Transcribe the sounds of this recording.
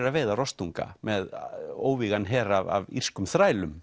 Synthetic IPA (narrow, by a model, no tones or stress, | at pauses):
ɾaðveːðarɔst̪uŋka̰mɛðoːwviɣanɦɛːɾava̰vḭr̥skʏmθɾaːjlʏm